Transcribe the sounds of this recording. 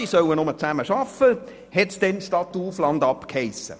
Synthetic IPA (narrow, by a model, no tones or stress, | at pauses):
isœwənʊmət͡sæməʃɑfə | hɛtsd̥ɛnʃtɑt̪ːuːflɑnd̪ɑpkhɛɪsə̰